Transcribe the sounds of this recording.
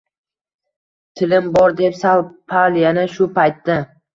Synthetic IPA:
t̪ʰɪlɪmbɒɾd̪e̞psalˠpʰalˠjanaʃʊpʰajt̪ːa

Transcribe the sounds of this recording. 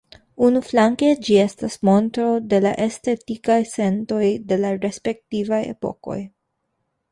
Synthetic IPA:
unuflaŋke̞d͡ʒie̞stasmo̞ntɾo̞de̞la̰ʔeste̞tikajse̞nto̞jde̞laɾe̞spe̞k̚tivaje̞̰po̞̰ko̞̰j

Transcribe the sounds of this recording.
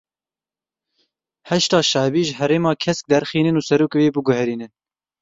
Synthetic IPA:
hɛʃt̪ɑːʃɑːbiːʒəɦɛɾeːmɑːkʰɛsk̚d̪ɛɾxiːnɨnuːsɛɾuːkweːbɨɡʊhɛɾiːnɨn

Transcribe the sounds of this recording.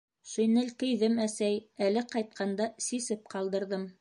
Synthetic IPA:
ʃɵ̆jnɘlkɘ̆jðɘmæsæjælɘqɑjt̪̚qʰɑnd̪ɑsisɘp̚qɑlˠd̪ɤ̆ɾðɤm

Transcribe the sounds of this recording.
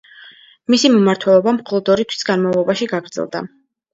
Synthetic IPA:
misimumaɾt̪ʰwɛlˠɔbamχɔlˠɔd̪ɔɾit̪ʰwi̥sɡ̥anmavlˠɔbaʃiɡaɡɾd̪zɛ̰lˠd̪a̰

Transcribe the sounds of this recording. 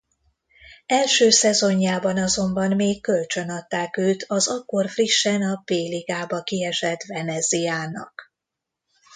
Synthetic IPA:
ɛlʃøːsɛzo̞ɲːaːbɒnɒzo̞mbɒnmeːkːø̞lt͡ʃø̞nɒt̪ːaːkøːt̪ʰɒzɒkːo̞rfriʃːɛnɒpeːliɡaːbɒkiɛʃɛt̪vɛnɛzijaːnɒ̰k

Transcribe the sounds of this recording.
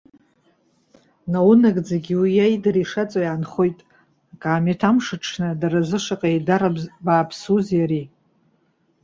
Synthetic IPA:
nawunakʼd͡zaɡʲiwijajdariʂat͡sʼajaːnχo̞jtʼ | akʼaːmatʰamʂɨʈ͡ʂʰnɨdaɾazɨʂaqʼajdarabaːpʰsuzjaɾi

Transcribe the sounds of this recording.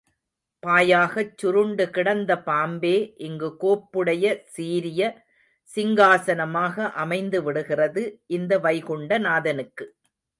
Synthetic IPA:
paːjaːɣɐt͡ʃːʊɾɯɳɖɯkɪɽɐnd̪ɐpaːmbeːʔɪŋɡɯkoːpːɯɽɐjɐsiːɾɪjɐ | sɪŋɡaːsɐnɐmaːɣɐʔɐmɐɪnd̪ɯʋɪɽɯɣɪrɐðɯʔɪnd̪ɐʋɐɪɣʊɳɖɐnaːðɐnɯkːɯ

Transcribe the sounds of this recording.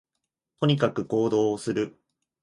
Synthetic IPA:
t̪o̞ɲ̟ikakɯ̟ko̞ːd̪o̞ːsɨɾɯ̟

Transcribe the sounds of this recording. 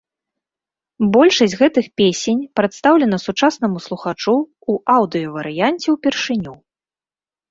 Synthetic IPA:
bɔlʲʂɐsʲɣɛt̪ɨxpʲesʲenʲpɾɐt̪st̪awlʲɛn̪ɐsut͡ʂasnɐmuslˠuxat͡ʂuː | ʔawd̪ɨjɐvɐɾɨjanʲt͡sʲɛwpʲɛrʂɨnʲu

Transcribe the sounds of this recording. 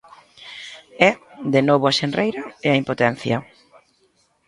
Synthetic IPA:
ɛd̪enɔβ̞ʊaʃenrejɾɐeaimpot̪ɛn̟θjɐ

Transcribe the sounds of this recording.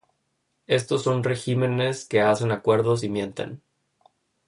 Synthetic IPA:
e̞st̪o̞sːo̞nre̞xime̞ne̞ske̞ase̞nakwe̞ɾðo̞s̬imje̞nt̪ḛn

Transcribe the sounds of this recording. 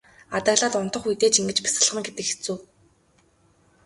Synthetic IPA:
at̪ăːɣɮaːt̪ʊnt̪ɞ̆χujt̪eːt͡ɕiŋɡɘ̆t͡ɕpḁsə̆ɮʁə̆ŋɡet̪ɘ̆kxe̥t͡suː

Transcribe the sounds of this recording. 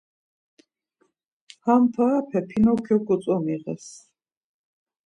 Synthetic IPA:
hampʰaːpʰɛpʰinɔkʰjɔkɔt̪t͡s̪ʼɔmiʁɛ̰s

